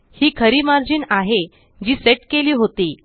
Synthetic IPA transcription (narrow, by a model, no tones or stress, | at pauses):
hiːkʰəɾiːmaɾd͡ʑiːnaɦe | d͡ʑiːseʈkeliːɦot̪iː